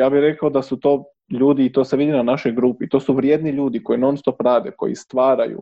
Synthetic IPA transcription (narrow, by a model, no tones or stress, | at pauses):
jaːbixɾe̞kaod̪asut̪o̞ː | ʎuːd̪iːt̪o̞ːseʋid̪inanaʃo̞jɡɾuːpit̪o̞ːsuʋɾjed̪niʎuːd̪iko̞jinonst̪opɾaːd̪eko̞̰jḭst̪ʋaːɾa̰jṵ